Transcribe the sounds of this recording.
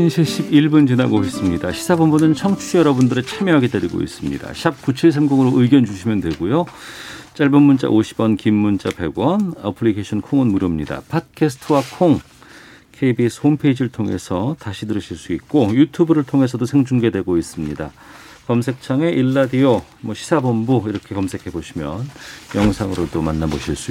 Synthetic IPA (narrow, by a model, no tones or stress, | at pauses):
inɕʰiɕ͈ʰibiɭbunt͡ɕinaɡoes͈ɯmɲida̰ɕʰi̥sʰabʌmbunɯnt͡ɕʰʌŋt͡ɕʰijʌɾʌbundɯɾet͡ɕʰamjʌɦaɡedaɾiɡo̰ḭs͈ɯmɲḭda̰ɕʰap̚kut͡ɕʰiɭsʰamɡoŋɯɾoʔɯiɡjʌnd͡ʑuɕʰimjʌndwe̞ɡojo | t͡ɕ͈aɭbʌnmunt͡ɕ͈a̰ʔoɕʰibʌnkimːunt͡ɕ͈ape̞̰ɡwʌnapʰɯɭikʰeɕʰʌnkʰoŋɯnmuɾjomɲida̰pʰad̚kʰesʰɯ̥tʰɯwakʰoŋ | kʰebisʰonpʰeid͡ʑiɾɯɭtʰoŋe̞̰sʰʌtaɕʰidɯɾɯɕʰiɭs͈uik̚k͈ojutʰubɯɾɯɭtʰoŋe̞sʰʌdosʰeŋd͡ʑuŋɡe̞dwe̞ɡois͈ɯmɲida̰ | kʌms̬ʰe̞k̚t͡ɕʰaŋe̞ʔiɭːadio | mwʌɕʰi̥sʰabʌmbuiɾʌkʰe̞kʌmsʰe̞kʰe̞boɕʰimjʌnjʌŋsʰaŋɯɾodomanːabo̰ɕʰiɭs͈ui